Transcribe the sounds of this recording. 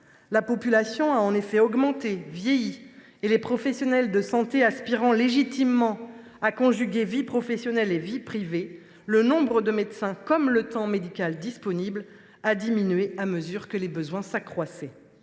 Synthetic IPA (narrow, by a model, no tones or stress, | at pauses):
lapɔpylasjɔ̃aɑ̃nefɛɔɡmɑ̃t̪evjejiː | lepχɔfɛsjɔnɛld̪əsɑ̃t̪easpiʁɑ̃leʒit̪imːɑ̃ | akɔ̃ʒyɡʲevipχɔfɛsjɔnɛlevipχive | lənɔ̃bʁəd̪əmɛt̪sɛ̃kɔmlət̪ɑ̃med̪ikʲald̪ispɔnibl | ad̪iminɥeaməzyʁkəlebəzwɛ̃sakχwasɛ